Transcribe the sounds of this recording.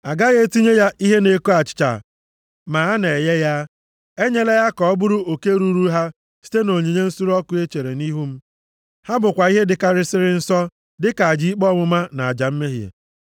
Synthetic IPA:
a˨ɡa˦ɣe˦ti˦ɲe˦ja˦i˦ɦe˦ne˨ku˦a˨t͡ʃɪ̥˨t͡ʃa̰˨ | ma˨a˦ne˨je˦ja˦ | e˦ɲe˦le˦ja˦kɔ˨ɔ˦bʊ˦ɾʊ˦o˨ke˦ɾu˦ɾu˦ɦa˦ | si̥˦te˦no˨ɲe˨ɲe˦n̩˦su˦ɾɔ˦kʊ˦e˦t͡ʃe˨ɾe˨ni˦ɦu˦m̩˦ | ha˦bʊ˨kʷa˨i˦ɦe˦dɪ˨ka˦ɾɪ˦sɪ˦ɾɪ˦n̩˦sɔ˦ | dɪ˦ka˨a˨d͡ʒi˦i˦k͡pɔ˦ŋʊ˦ma˦na˨a˨d͡ʒa˨m̩˦me˦ɦjḛ˨

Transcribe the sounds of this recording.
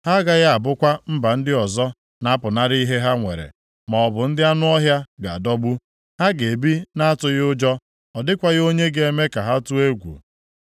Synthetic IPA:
ha˦ɡa˦ɣa˦a˨bʊ˦kʷa˦m̩˦ba˨n̩˦dɪ˦ɔ˨zɔ˦ | na˦pʊ˨na˦ɾɪ˦i˦ɦe˦ɦa˦ŋʷḛ˨ɾḛ˨ | ma˨ɔ˨bʊ˨n̩˦dɪ˦a˦nʊ˦ɔ˦ɦja˦ɡa˨a˨dɔ˦ɡ͡bu˦ | ha˦ɡe˨bi˦na˦a˦tʊ˨ɣɪ˦ʊ˦d͡ʒɔ˦ | ɔ˨dɪ˦kʷa˦ɣo˦ɲe˦ɡe˨e˨me˦ka˨ɦa˦tʊ˦e˦ɡʷṵ˨

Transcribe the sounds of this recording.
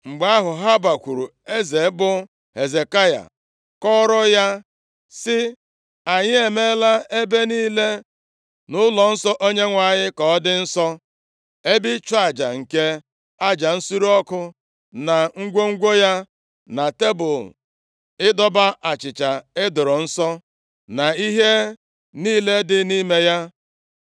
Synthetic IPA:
ŋ͡m̩˨ɡ͡ba˦a˦ɦʊ˨ɦa˦ba˨kʷu˨ɾu˨ | e˦ze˨˦bʊ˦ | he˨ze˨ka˦ja̰˨ | kɔ˦ɾɔ˦ja˦ | sɪ˦ | a˨ɲɪ˦e˨me˦la˦e˦be˦niː˦le˦ | nʊ˦lɔ˨n̩˦sɔ˦ʔo˦ɲe˦ŋʷa˨ɲɪ˦kɔ˨ɔ˦dɪ˦n̩˦sɔ˦ | e˦bi˦t͡ʃɔ˦a˨d͡ʒa̰˨ŋ̩˨ke˦ | a˦d͡ʒa˨n̩˦su˦ɾu˦ɔ˦kʊ˦ | na˨ŋ̩˦ɡʷo˦ŋ̩˦ɡʷo˦ja˦ | na˨te˦bʊ˨ | ɪ˦dɔ˦ba˦ʔa˨t͡ʃɪ˨t͡ʃa˨e˦dʊ˨ɾɔ˨n̩˦sɔ˦ | na˨i˦ɦe˦ | niː˦le˦dɪ˨ni˦me˦ja˦

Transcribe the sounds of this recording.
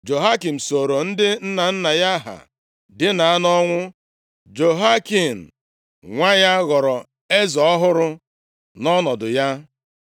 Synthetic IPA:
d͡ʒo˨ɦa˦ki˨m̩˨so˨ɾo˨n̩˦dɪ˦n̩˦na˨n̩˦na˨ja˦ɦa̰˨ | dɪ˦na˨a˦nɔ˦ŋʷʊ˦ | d͡ʒo˨ɦa˦ki˨m̩˨ | ŋʷa˦ja˦ɣɔ˨ɾɔ˨ | e˦zɔ˨ɔ˦ɦʊ˦ɾʊ˦ | nɔ˦nɔ˨dʊ˨ja˦

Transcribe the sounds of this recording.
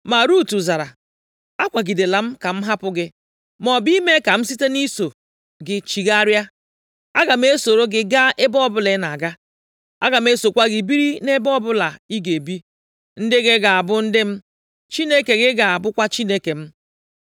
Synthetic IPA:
ma˨ɾu˦˨tu˨za˨ɾa˨ | a˦kʷa˨ɡi˨de˨la˨m̩˦ka˨m̩˦ɦa˦pʊ˦ɡɪ˦ | mɔ˨bi˦me˦ka˨m̩˦si˦te˦ni˦so˨ | ɡɪ˨t͡ʃi˨ɡa˦ɾja˦ | a˦ɡa˨m̩˦e˦so˨ɾo˦ɡɪ˦ɡa˦e˦bɔ˦bʊ˦le˦na˨ɡa˦ | a̰˦ɡa˨m̩˦e˦so˨kʷa˦ɡɪ˨bi˦ɾi˦ne˦bɔ˦bʊ˦la˨i˦ɡe˨bi˦ | n̩˦dɪ˦ɡɪ˦ɡa˨a˨bʊ˦n̩˦dɪ˦m̩˦ | t͡ʃi˦ne˦ke˨ɡɪ˦ɡa˨a˨bʊ˦kʷa˦t͡ʃi˦ne˦ke˨m̩˦

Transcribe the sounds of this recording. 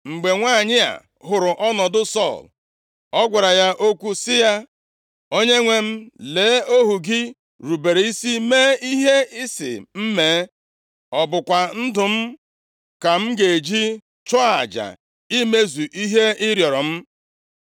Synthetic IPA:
ŋ͡m̩˨ɡ͡be˨ŋʷaː˦˨ɲɪ˦a̰˨ | ɦʊ˨ɾʊ˨ʔɔ˦nɔ˨dʊ˦sɔ̰˦˨l | ɔ˦ɡʷa˨ɾa˨ja˦ʔo˦kʷu˦sɪ˦ja˦ | o˦ɲe˦ŋʷe˦m̩˦leː˨˦o˦ɦu˨ɡɪ˦ | ɾu˨be˨ɾe˨i˦si˦meː˦i˦ɦe˦ɪ˦sɪ̰˨m̩˦meː˨˦ | ɔ˨bʊ˨kʷa˨n̩˦dʊ˨m̩˦ | ka˨m̩˦ɡe˨d͡ʒi˦ | t͡ʃɔ˦a˨d͡ʒa̰˨ | i˦me˦zu˨ʔi˦ɦe˦ɪ˦ɾjɔ˨ɾɔ˨m̩˦

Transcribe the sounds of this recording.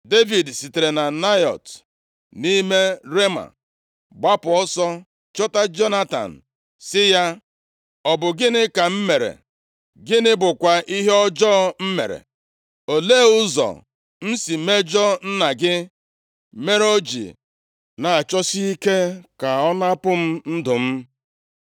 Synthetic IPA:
de˦vi˨dsi˨te˨ɾe˨na˨na˦jɔ̰˨t | ni˦me˦ɾe˦ma̰˨ | ɡ͡ba˦pʊ˨ɔ˦sɔ˦ | t͡ʃɔ˦ta˦d͡ʒɔ˦na˦ta̰˨n̩˨ | sɪ˦ja˦ | ɔ˨bʊ˨ɡɪ˦nɪ˦ka˨m̩˦me˨ɾḛ˨ | ɡɪ˦nɪ˦bʊ˨kʷa˨ʔi˦ɦe˦ɔ˦d͡ʒɔ˦m̩˦mḛ˨ɾḛ˨ | o˨le˦˨ʊ˦zɔ̰˨ | n̩˦si˨me˦d͡ʒɔ˦n̩˦na˨ɡɪ˦ | me˦ɾo˦d͡ʒḭ˨ | na˨a˨t͡ʃɔ˦si˦i˦ke˦ka˨ɔ˦na˦pʊ˦m̩˦n̩˦dʊ˨m̩˦

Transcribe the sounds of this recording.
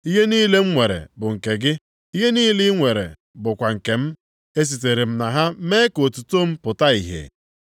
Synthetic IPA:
i˦ɦe˦niː˦le˦m̩˦ŋʷe˨ɾḛ˨bʊ˨ŋ̩˨ke˨ɡɪ˦ | i˦ɦe˦niː˦lɪ˦ŋʷe˨ɾḛ˨ | bʊ˨kʷa˨ŋ̩˨ke˨m̩˦ | e˦s̬i˨t̬e˨ɾe˨m̩˦na˨ɦa˦meː˦ko˨tu˨to˦m̩˦pʊ˨ta˦i˨ɦḛ˨

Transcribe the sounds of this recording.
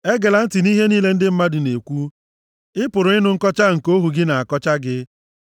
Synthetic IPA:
e˦ɡe˨la˨n̩˦tɪ˨ni˦ɦe˦niː˦le˦n̩˦dɪ˦m̩˦ma˦dɪ˨ne˨kʷu˦ | ɪ˦pʊ˨ɾʊ˨ɪ˦nʊ˦ŋ̩˦kɔ˦t͡ʃa˦ŋ̩˨ko˦ɦu˨ɡɪ˦na˨a˨kɔ˦t͡ʃa˦ɡɪ˦

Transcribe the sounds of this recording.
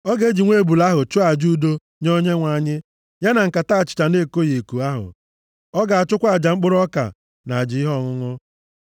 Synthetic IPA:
ɔ˦ɡe˦d͡ʒi˨ŋʷe˦˨bu˨la˦ɦʊ˨t͡ʃʊ˦a˨d͡ʒu˦do˦ | ɲo˦ɲe˦ŋʷa˨ɲɪ˦ | ja˦na˨ŋ̩˨ka˨ta˦˨t͡ʃɪ̥˨t͡ʃa˨ne˦˨ko˦je˨e˨ku˨a˦ɦʊ̰˨ | ɔ˦ɡa˨a˨t͡ʃʊ˦kʷa˦˨d͡ʒa˨ŋ͡m̩˦k͡pʊ˦ɾɔ˦ka̰˨ | na˨a˨d͡ʒɪ˨˦ɪ˦ɦɔ˦˨ŋʊ˦ŋʊ˦

